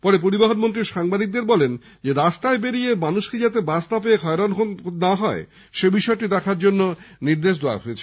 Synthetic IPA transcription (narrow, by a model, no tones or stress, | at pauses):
pɔɾep̬ɾoɾibeɦonmont̪ɾiɾʃaŋbad̪ik̚d̪eɾbɔlen | d͡ʑeɾast̪aebeɾiemanuʃked͡ʑat̪̬ebast̪apeekʰɔeɾanɦonaɦɔe | ʃebiʃɔeʈid̪ɛkʰaɾd͡ʑonːoniɾd̪eʃ̬d̪ea̰ɦoet͡ɕʰe